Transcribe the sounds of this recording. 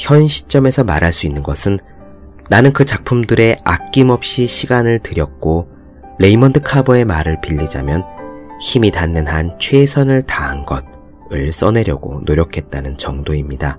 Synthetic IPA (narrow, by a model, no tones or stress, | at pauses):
çjʌnɕʰi̥t͡ɕ͈ʌme̞sʰʌmaɾɦaɭs͈uinːɯnɡʌsʰɯnː | anɯnkɯt͡ɕak̚pʰumdɯɾe̞ak̚k͈imʌp̚ɕ͈iɕʰiɡanɯɭtɯɾjʌk̚k͈o | ɾe̞imʌndɯkʰabʌe̞maɾɯɭpiʎːid͡ʑa̰mjʌnçimitanːɯnɦant͡ɕʰwe̞sʰʌnɯɭtaɦanɡʌd̚ | ɯɭs͈ʌne̞ɾjʌɡo̰noɾjʌkʰe̞t̚t͈anɯnt͡ɕʌŋdoimɲida